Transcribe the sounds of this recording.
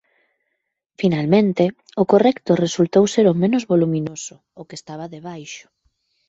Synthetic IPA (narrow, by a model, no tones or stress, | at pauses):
finalmẽnt̪e | ʊkorɛkt̪ʊresult̪owseɾomẽnozβolumĩnosʊːkest̪aβaðeβajʃʊ̥